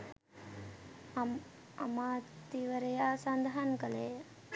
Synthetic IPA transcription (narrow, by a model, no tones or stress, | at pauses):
ɐ̰maːt̪iʋɐɾɐjaːsɐnd̪ʱɐɦɐnkɐleː